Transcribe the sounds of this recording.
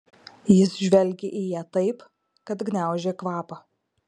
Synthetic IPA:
jɪsʒʲʋʲɛlʲɡʲeʔijiɛt̪ɐɪp | kɐt̪ɡnʲæˑʊʒʲeːkʋɑːpɐ

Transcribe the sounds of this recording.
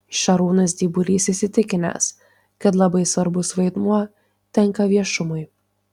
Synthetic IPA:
ʃʲɐɾuːnɐs̬d̪ʲiːbʊɾʲiːsisʲɪt̪ʲɪkʲɪnʲɛ̰s | kɐt̪lˠɐbɐɪsʋɐɾbʊsʋɐɪd̪muɔ | t̪ʲɛŋkɐʋʲiɛʃʊmʊɪ

